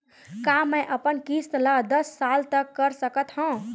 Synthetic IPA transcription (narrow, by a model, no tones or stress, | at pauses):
kamə̃ʔəpənkist̪lad̪əsːalt̪əkːəɾsəkət̪ɦõ